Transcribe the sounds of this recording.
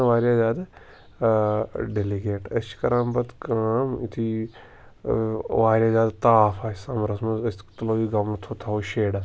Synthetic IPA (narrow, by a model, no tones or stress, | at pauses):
ʋaːɾjaːzaːd̪ | ɖeliɡeːʈɐsʰi̥kɐɾãːmbɐt̪kaːmit̪ʰi | ʋaːɾʲjaːzʲaːd̪t̪aːfaːsɐmɾɐsmɐzɐst̪ɐloːʋiɡɐmt̪ʰot̪ʰaoʃeːɖa